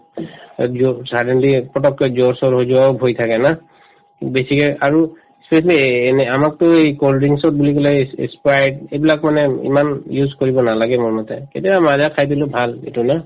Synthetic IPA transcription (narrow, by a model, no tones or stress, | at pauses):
zɔsadenlipɹɔtɔkːɔzɔɹsɔɹɦozuwaobʱojt̪ʰakɛna | besikaliaɹu | spesalinɛamak̚tʊejkoldiŋsɔt̚bulikɔlɛḛspajdejbilakmanɛḭmanjuzkoɹibɔnalaɡɛmoɹmɔtɛketijabamazakʰajdilʊbʱalḛtuna